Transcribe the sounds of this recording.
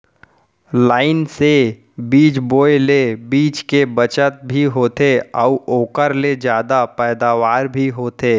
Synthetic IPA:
laːɪnse | biːt͡ʃboːjlebiːt͡ʃkebət͡ʃət̪̚bʱiɦoːt̪eɔʊoːkəɾled͡ʒjaːd̪apɛːd̪aːʋaːɾbʱiɦoːt̪eː

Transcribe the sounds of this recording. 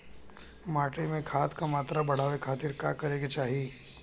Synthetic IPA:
maːʈemẽkʰaːt̪kamaːt̪ɾabɐɽ̤aːʋekʰaːt̪iɾkaːkɐɾẽːɡet͡ʃaːɦieː

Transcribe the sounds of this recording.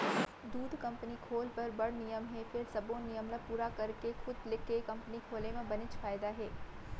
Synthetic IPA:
d̪uːd̪ʱkɐ̃mpnikʰoːlpɐɾbɐɽnijəmɦɛfʰɪɾsɐbõnijəmlapuːɾakɐɾkexʊd̪lɪkekɐ̃mpənikʰoːlemẽbɐnɪt͡ʃfaːɪd̪aɦɛː

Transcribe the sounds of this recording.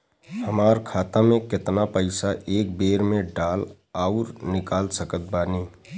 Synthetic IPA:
hɐmaːɾkʰaːt̪amẽkɪt̪napəɪsaʔeːk̚beːɾmẽɖaːl | aʊɾnɪkaːlsəkət̪̚baːniː

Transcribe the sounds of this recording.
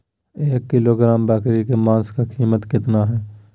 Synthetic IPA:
eːkːɪloɡɾaːmbɛːkɾikemãːnskakʰiːmət̪kɪt̪naɦɛː

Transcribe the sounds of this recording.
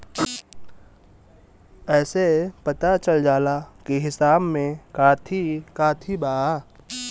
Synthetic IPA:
ɛːsepɐt̪at͡ʃəld͡ʒaːlakiɦɪsaːbmẽkaːt̪ʰikaːt̪ʰibaa

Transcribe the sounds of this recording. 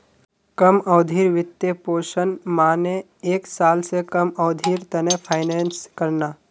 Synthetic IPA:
kɐmɔːd̪ʱiːɾʋɪt̪jepoːʃənmaːne | eːksaːlsekɐmɔːd̪ʱiːɾt̪ɐnẽpʰaːɪnɛːnskɐɾnaː

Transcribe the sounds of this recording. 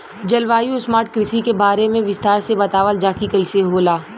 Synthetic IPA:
d͡ʒɐlʋaːjũsmaːɾʈkɾɪsikebaːɾemẽʋɪst̪aːɾsebɐt̪aːʋəld͡ʒaːkikɐɪseɦoːlaː

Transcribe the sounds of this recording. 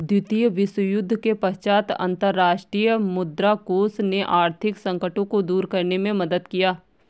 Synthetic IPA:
d̪jʊt̪ijəʋɪsəjʊd̪ʱːkepəɦt͡ʃaːt̪ə̰̃nt̪əɾːaːʃʈɾijəmʊd̪ɾakoːsneʔaːɾt̪ʰɪksə̃ŋkəʈõkod̪uːɾkɐɾnemẽmɐd̪əd̪kijaː

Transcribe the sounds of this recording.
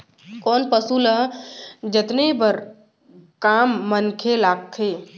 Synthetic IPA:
kɔːnpəsuləɦd͡ʒət̪nebəɾ | kaːmːənkʰelaːkkʰe

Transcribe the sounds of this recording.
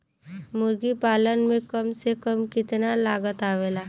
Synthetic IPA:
mʊɾɡipaːlənmẽkəmsekəmkɪt̪nalaːɡət̪aːʋeːlaː

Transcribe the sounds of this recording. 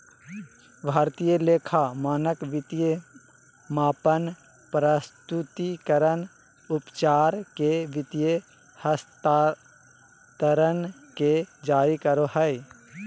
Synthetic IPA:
bʱaːɾt̪ijəleːkʰamaːnəkʋɪt̪ije | maːpən | pɾəst̪ut̪ikəɾən | ʊpt͡ʃaːɾkeʋɪt̪ije | həst̪ː | t̪əɾən | ked͡ʒaːɾikəɾoɦəj

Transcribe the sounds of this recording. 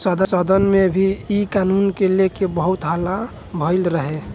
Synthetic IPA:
səd̪ʱəsəd̪ənmebʱiikanunkelekebəɦut̪ɦəla | bʱəɪlɾəɦe

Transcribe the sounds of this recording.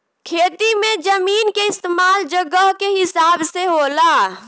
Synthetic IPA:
kʰeːt̪imẽd͡ʒəmiːnkeɪst̪eːmaːld͡ʒəɡəɦkeɦɪsaːbseɦoːlaː

